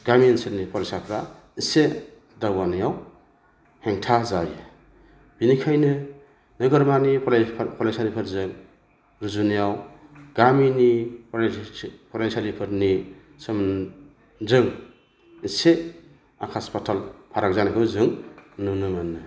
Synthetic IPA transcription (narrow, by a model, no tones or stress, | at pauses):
ɡaminsetnipʰɔɾisapʰɾa | ise | daɡwanɯjaw | heŋtʰazaj | b̥inikʰajnɯ | nɯɡɯɾmanipʰlʰpʰɔlasaɾipʰɯɾzɯŋ | ɾuzunijawɡaminip | pʰɔɾensaɾipʰɯɾni | sɯm | zɯŋ | ise | akʰaspatʰalpʰaɾak̚zanikʰɯwzɯŋnunɯmanːɯ